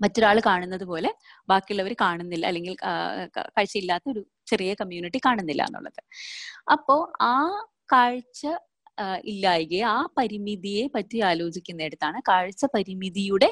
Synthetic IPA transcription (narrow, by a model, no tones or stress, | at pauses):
mɐtːo̞ɾaːɭɨkaːɳunːɐðɨpo̞ːle̞ | baːkːijuɭːɐʋɐɾɨkaːɳunːilːɐɐ̰lːeŋɡil | kaːɻt͡ɕːɐilːaːt̪ːɐo̞ɾu | t͡ɕe̞rijɐkɐmjuːniʈːikaːɳunːilːɐ̰ḛnːṵɭːɐ̰ðɨɐpːo̞ːaː | kaːɻt͡ɕːɐ | ilːaːjɣeaːpɐɾimiðije̞pɐtːuaːlo̞ːt͡ɕikʲːunːe̞ːɽut̪ːaːɳɨkaːɻt͡ɕːɐpɐɾimiðijuɽe̞